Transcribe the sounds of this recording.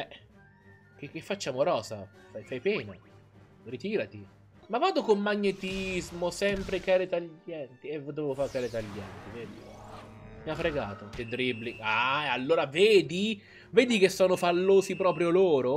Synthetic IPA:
ɛ | kekːefːat͡ʃːaːmoɾɔːza | fajfajpɛːna | rit̪iːɾat̪i | mavːaːd̪okomːaɲːet̪izmosɛmpɾekaːɾet̪aʎːɛnt̪ievod̪ːovevofaːɾkaːɾet̪aʎːɛ̰nt̪iveːd̪i | miafɾeɡaːt̪ot̪ed̪ɾibliaalːoːɾaveːd̪i | veːd̪ikesːɔːnofalːoːzipɾɔːpɾjoloːɾo

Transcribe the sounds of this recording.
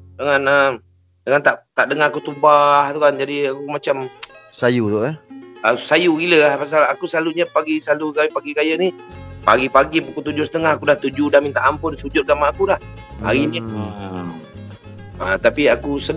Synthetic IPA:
dəŋanə | dəŋant̪aʔt̪aʔdəŋaakut̪ubaht̪ukand͡ʒadiakumat͡ʃamsajut̪oʔaəsajuɡiləahpas̬alakusəlaluɲapaɡisalukapaɡikajənipa̰ɡipaɡipukut̪ud͡ʒʊsə̥t̪əŋahakudaht̪ud͡ʒudamint̪aʔampʊnsud͡ʒʊt̪̚ɡamaːkulah | a̰ɣini | ə̰t̪apiakusə

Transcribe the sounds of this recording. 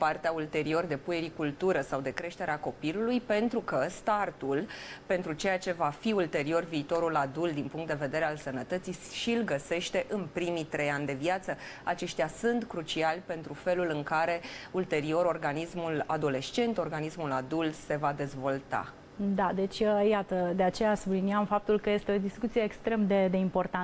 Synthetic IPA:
part̪eault̪e̞ɾio̞rd̪e̞puje̞ɾikult̪uɾəsawd̪e̞kɾe̞ʃt̪e̞ɾeako̞pilulujpe̞nt̪ɾukəst̪art̪ulpe̞nt̪ɾut͡ʃe̞jat͡ʃe̞vafiult̪e̞ɾio̞rviːt̪o̞ɾulad̪uld̪inpuŋkt̪d̪eve̞d̪e̞ɾealsənət̪ət̪siʃilɡəse̞ʃt̪e̞ʔɨnpɾimit̪ɾe̞janʲd̪e̞viat̪sə | at͡ʃe̞ʃt̪ʲjasɨnt̪kɾut͡ʃialʲpe̞nt̪ɾufe̞lulɨŋkaɾe̞ult̪e̞ɾio̞ɾo̞rɡanismula̰d̪o̞le̞ʃt͡ʃe̞nt̪o̞rɡanismulad̪ult̪se̞vad̪e̞zvo̞lt̪a̰ | d̪ad̪e̞t͡ʃʲəjat̪əd̪e̞at͡ʃe̞jasubliniamfap̚t̪ulkəje̞st̪e̞o̞d̪iskut̪sijeːkst̪ɾe̞md̪e̞d̪e̞impo̞rt̪an

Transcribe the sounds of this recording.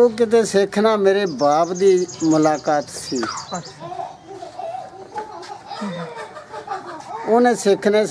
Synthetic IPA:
oːk̬ɪt̪̬eːseːkʰnaːmeːɾeːbaːpd̪iːmʊlaːkaːt̪siː | oːnẽːsɪkʰneː

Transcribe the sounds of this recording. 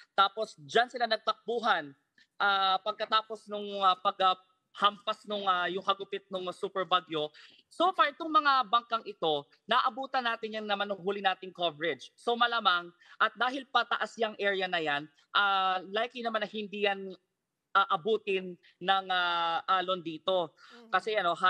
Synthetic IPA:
t̪aːpo̞sd͡ʒansɪlanɐɡ̚t̪ɐk̚buːɦɐn | ʔaːpɐɡ̚kɐt̪aːpo̞snʊŋapɐɡɐ | hampɐsnʊŋajʊŋkɐɡʊpɪt̪̚nʊŋsuːpɛɹbaɡjo | sofaɹt̪ʊŋmɐŋabɐŋkɐŋʔɪt̪o̞ | nɐʔʔɐbuːt̪ɐnaːt̪ɪnjɐŋnɐmanʊŋɦuːlɪnaːt̪ɪŋkovɛɹɛd͡ʒso̞mɐlaːmaŋ | ʔɐt̪̚d̪aːɦɪlpɐt̪ɐʔasjɐŋʔɛːɹjɐnɐjan | ʔalajkijnɐmanɐhɪnd̪iːjan | ʔaʔɐbuːt̪ɪnː | ɐŋaʔaːlo̞nd̪iːt̪o̞kɐsɛʔɐno̞ɦa

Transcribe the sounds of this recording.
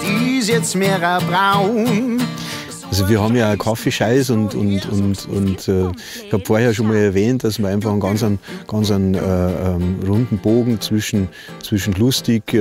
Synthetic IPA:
isjɛt͡smeːʁəbʁaʊn | ʔalzoviːɐhɑːbm̩jaːkʰafeʃaɪsʊntʊ̰ntʊ̰ntʊ̰ntʰɛː | ɪçhɑːbfoːɐheɐʃonmaːlɛɐvɛːntd̥asmiːɐaɪnfɑχn̩ɡɑnsənɡ̥ɑnsənɛːɛʁʊndn̩b̥oːɡŋ̩t͡sv̥ɪʃn̩ | t͡sv̥ɪʃn̩lʊstɪk

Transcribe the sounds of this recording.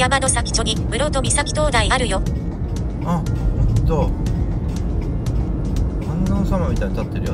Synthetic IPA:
jamano̞sakʲi̥t͡ɕo̞ɲ̟ib̥ɯ̟ɾo̞t̪o̞mʲisakʲi̥t̪o̞ːd̪aiaɾɯ̟jo̞ | ahõt̪o | hãnd̪ãnsaɾamʲit̪aiɲt̪at̪ːeɾɯ̟jo

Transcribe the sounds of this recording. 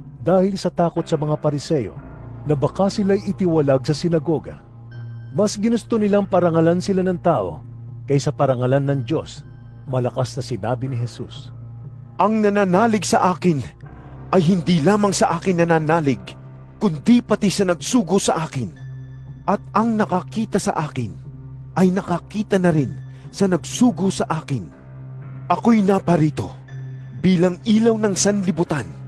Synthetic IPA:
d̪aːhɪlsɐt̪aːko̞t̪̚sɐmɐŋapɐɾɪsɛjo̞̰ | nɐbɐkasɪlajɪt̪ɪwɐlaɡ̚sɐsɪnɐɡo̞ɡɐ̰ | mɐsɡɪnʊst̪onɪlaŋpɐɾɐŋɐlansɪlanɐŋt̪aːʔo̞̰ | kɐjsɐpɐɾɐŋɐlanːɐŋd͡ʒo̞s | mɐlɐkasnɐsɪnaːbɪnɪɦɛsṵs | ʔɐŋnɐnaːnaːlɪɡsɐʔaːkɪn | ʔɐjɦɪnd̪ilaːmɐŋsɐʔaːkɪŋnɐnaːnaːlɪɡ̚ | kʊnd̪ipɐt̪isɐnɐɡ̚suːɡosɐʔaːkɪn | ʔɐt̪̚ɐŋnɐkɐkiːt̪ɐsɐ̰ʔaːkɪnʔɐjnɐkɐkiːt̪ɐnɐɾɪn | sɐnɐɡsuːɡosɐʔaːkɪn | ʔɐkojnapɐɾiːt̪o̞̰ | biːlɐŋʔiːlɐwnɐŋsɐnlɪbʊt̪an

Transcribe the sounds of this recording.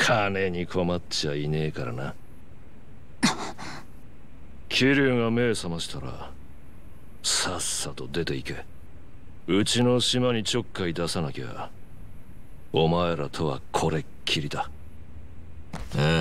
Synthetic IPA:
kʰane̞ɲ̟ikʰo̞mat͡ɕaine̞ːkaɾa̰na | kʲʰiɾʲɨːŋame̞ːsamaɕi̥t̪aɾa̰ | sasːat̪o̞d̪e̞t̪e̞ike̞ | ɯ̟t͡ɕino̞ɕimaɲ̟it͡ɕo̞kːaid̪asanakea̰ | omaeɾat̪ʰo̞βa̰kʰo̞ɾe̞ | kʲʰiɾʲit̪a | e

